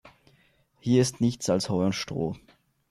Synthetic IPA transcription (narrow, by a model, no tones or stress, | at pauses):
hiːɐɪstnɪçt͡salshɔʏʊnʃtʁ̥o̰ː